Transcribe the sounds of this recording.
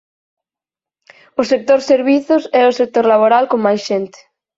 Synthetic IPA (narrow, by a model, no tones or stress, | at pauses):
ʊsek̚t̪oɾseɾβiθʊsɛʊsek̚t̪oɾlaβ̞oɾalkoŋmajsʃent̪e̥